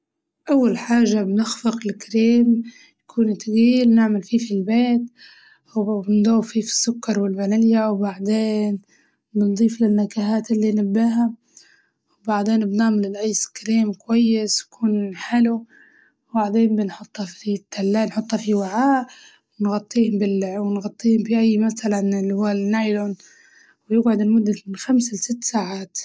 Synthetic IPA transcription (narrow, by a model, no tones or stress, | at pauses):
ʔawːalħaːʒːabnɪxfɪqlɪkɾiːm | jakʰuːnt̪ɣiːlnɪʕmalfiːfilbeːt̪ | wbɪnd̪oːwfifi̥sːʊkːɑɾˤwɪlbanaljawbaʕd̪eːn | bɪnd̪ˤiːflɪnːakaɦaːt̪ɪlːinabːaɦa | wbaʕd̪eːnbnaːmɪlɪlʔajːskɾiːmkwajːɪskʰuːnħɪlu | wbaʕd̪eːnbɪnħʊt̪ˤːhɑfit̪ːalːaːnħʊt̪ˤhɑfiwaʕaːʔ | wɪnɣɑt̪ˤːiːhʊmbɪlʕwɪnɣɑt̪ˤːiːhʊmfiʔajːmaθalanɪlːhʊːalnːajlon | wjɪɡʕʊd̪ɪlmʊd̪ːaxamsalsɪt̪ːsaːʕaːt̪